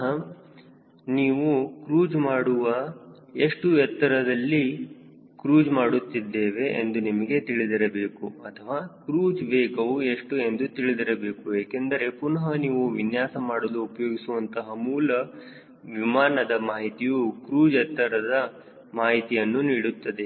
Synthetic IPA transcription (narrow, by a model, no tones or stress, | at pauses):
ɦɐ | niːʋukɾuːd͡ʒmaːɽuʋɐ | eʂʈuɛt̪ːɐɾɐd̪ɐlːi | kɾuːd͡ʒmaːɽut̪ːid̪ːeːʋe̞ʔḛnd̪unimɐɡe̞t̪iɭid̪ɐɾɐbeːkuɐt̪ʰɐʋaːkɾuːd͡ʒʋeːkɐʋue̞ʂʈue̞nd̪ut̪iɭid̪ɐɾɐbe̞ːkueːkend̪ɐɾe̞punɐɦɐniːʋuʋinjaːsɐmaːɽɐluːpɐjoːɡisuʋɐnt̪ɐɦɐmuːlɐ | ʋimaːnɐd̪ɐmaːɦit̪ijukɾuːd͡ʒɛt̪ːɐɾɐd̪ɐ | maːɦit̪ijɐnːuniːɽut̪ːɐd̪e̞